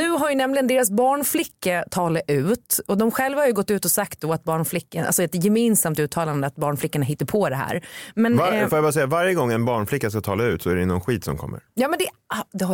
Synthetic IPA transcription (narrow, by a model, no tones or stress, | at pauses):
nʉ̟ːɦaɾjɵnɛmlɪɡənd̪eːɾasbɑːɳflɪkːat̪ʰɑːlaʔʉ̟ːt̪ɔd̪ɔmɧɛlvahaɾjʉɡɔt̪ːʉ̟ːt̪ɔsakt̪̚d̪ɔat̪̚bɑːɳflɪkːanʔa̰lsɔɛt̪jɛmɪːnsamt̪ʉ̟ːt̪ʰɑːland̪əat̪̚bɑːɳflɪkːaɳaɦɪt̪ːəɾpʰɔd̪ɛɦæ̰ːɾmɛnafɔɾjabːɾasɛjavaɾjəɡɔŋːɛnbɑːɳflɪkːaskat̪ʰɑːlaʉ̟ːt̪sɔæɾɛɪnːɔnɧiːt̪sɔ̰mkʰɔ̰mːə̰ɾjɑːmɛnd̪ɛd̪ɛha